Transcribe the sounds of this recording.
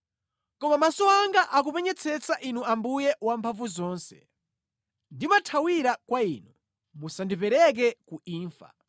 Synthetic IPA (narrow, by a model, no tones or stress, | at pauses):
kɔmamasɔaŋɡaʔak̬upɛɲɛt͡sʰɛt͡saʔinuambujɛwampʰavuzɔːnsɛ̥̰ | ndimatʰawiɾakwaiːnu | musandipɛɾɛk̬ɛkuiːɱfa̰